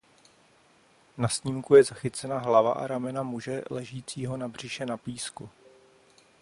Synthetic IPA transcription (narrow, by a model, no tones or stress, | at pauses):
nasɲiːmkujɛzaxɪt͡sɛnaɦlava̰ʔa̰ɾamɛnamuʒɛlɛʒiːt͡siːɦo̞nabr̝ɪʃɛnapiːsku